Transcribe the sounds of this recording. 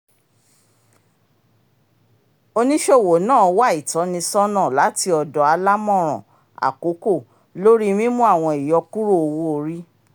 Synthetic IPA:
o˧nĩ˦ʃe˦˨wo˨nãː˦˨˧wa˦i˨tɔ˨˦nĩ˧sɔ˦nã˦˨la˨˦ti˧ɔ˨dɔ˨˦a˧la˦mɔ̃˦˨ɾ̃ɔ̰̃˨ | a̰˨ko˨˦ko˦˨ | lo˦ɾi˦mĩ˦mũ˦a˦˨w̃ɔ̃˧i˨jɔ˧ku˦ɾo˦o˧wo˦o˧ɾi˦

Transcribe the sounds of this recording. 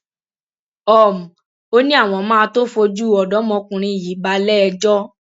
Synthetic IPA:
ɔ˨mũ˨ | o˦nĩ˦a˦˨w̃ɔ̃˧mãː˦˧to˦fo˧d͡ʒu˦˨ɔ˨dɔ̃˨˦mɔ̃˧kũ˧ɾ̃ĩ˧i˨ji˨˦ba˧lɛ˦˧d͡ʒɔ˦

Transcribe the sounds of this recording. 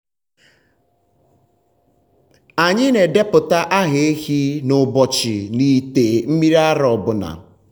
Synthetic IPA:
a˨ɲɪ˦ne˨de˦pʊ˨ta˦ʔa˦ɦe˨e˦hi˦nʊ˨bɔ˨t͡ʃɪ̰˨ni˨te˨m̩˦mi˦ɾi˦a˦ɾɔ˨bʊ˨na̰˨

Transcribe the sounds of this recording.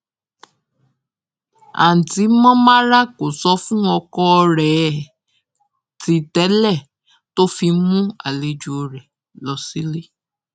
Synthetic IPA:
a̰˨n̩˨ti˨˦mɔ̃˦mã˦ɾa˦ko˨sɔ˧˦fũ˦ɔ˧kɔ˧ɾɛ˨ | ti˧tɛ˨˦lɛ˦˨ | to˦fi˧mũ˦a˨le˧d͡ʒu˨o˧ɾɛ˨ | lɔ˨˧si˦le˦

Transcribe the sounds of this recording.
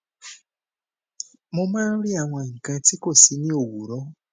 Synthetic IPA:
mu˦ma˦li˦a˨wa˨ŋ˨ka˨ti˦ko˨si˦ni˦o˨βu˨ɾo˦

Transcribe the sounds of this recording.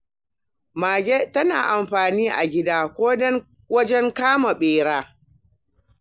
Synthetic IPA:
maː˨ɡʲe˦tɐ˦na̰ː˨ʔa˨mɸaː˨niː˦ʔa̰˨ɡʲɪ˦daː˦kʷoː˦ | wɐ˦d͡ʒɛ˦ŋkaː˦ma˨ɓeː˨ɽaː˦

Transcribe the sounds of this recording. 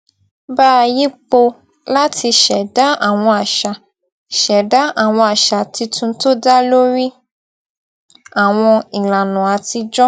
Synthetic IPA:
baː˦˨ji˦k͡po˧ | la˦tʰi˧ʃɛ˨da˦a˦˨w̃ɔ̃˧a˨ʃa˨ | ʃɛ˨da˦a˨w̃ɔ̃˧a˨ʃa˨ti˧tʰũ˧to˦da˦lo˦ɾi˦ | a˨w̃ɔ̃˧i˨la˨nũ˨a˨ti˧d͡ʒɔ˦

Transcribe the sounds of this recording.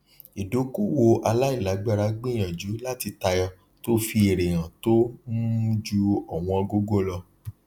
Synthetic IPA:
e˨do˨˦ku˦˨wo˧ʔa˧la˦i˦˨la˨˦ɡ͡ba˦˧ɾa˦ɡ͡bĩ˦˨j̃ã˨d͡ʒu˨˦la˦ti˧ta˧jɔ˧ | to˦fi˧e˨ɾe˨j̃ã˨to˦mũ˦u˦d͡ʒu˧ɔ˨w̃ɔ̃˧ɔ˧ɡo˦ɡo˦˨lɔ˧

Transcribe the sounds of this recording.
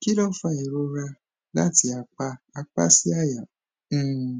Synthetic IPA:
ki˦lɔ˦fa˦˨i˨ɾo˦˧ɾa˧ | la̰˦ti˧a˧k͡pa˧a˧k͡pa̰˦si˦a˦˨jã˨˦˨

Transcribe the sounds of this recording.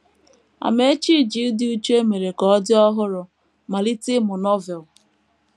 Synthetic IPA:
a̰˨me˦t͡ʃi˦˨d͡ʒi˨˦dɪ˦u˦t͡ʃe˦me˨ɾe˨kɔ˨ɔ˦dɪ˦ɔ˦ɦʊ˦ɾʊ˨ | ma˨li˦tɪ˦mʊ˨nɔ˦vɛ˨l

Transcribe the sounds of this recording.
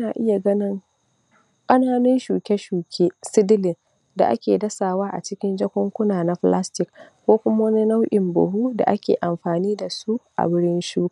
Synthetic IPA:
ʔnaː˨ʔɪ˦ja˨ɡɐ˦nɪ˦ŋ | kʼɐ˦naː˦nɪ˦nʃuː˨kʲɛ˦ʃuː˨kʲʰeː˦sɪ˦dɪ˦lɪ˨n | da̰˨ʔa̰˦kʲeː˨dɐ˦saː˨waː˦ʔa̰˨t͡ʃɪ˦kʲɪ˦nd͡ʒɐ˦kʷɔ˦ŋkʷʊ˦naː˨na˦ɸla˦stɪ˨kkʷoː˦kʷʊ˦ma˦wɐ˦ni˦na˦wʔʲɪ˨mbʊ̰˨ɦuː˦da̰˨ʔa˦kʲḛː˨ʔa˨mɸaː˨niː˦da˨su˦ʔa̰˨bʊ˦ɽɪ˦nʃuː˦kː

